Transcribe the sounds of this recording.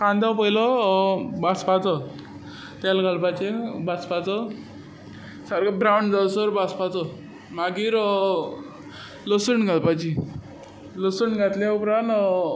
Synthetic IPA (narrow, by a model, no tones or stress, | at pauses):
kãnd̪awpəilə | baspat͡sə | t̪jalɡʱalpat͡ɕebaspat͡sə | saɾɡabɾawɳɖd͡zawsəɾbaspat͡sə | maɡiːɾ | ləsuɳɡʱalpat͡ɕi | ləsuɳɡʱat̪laupɾãnt̪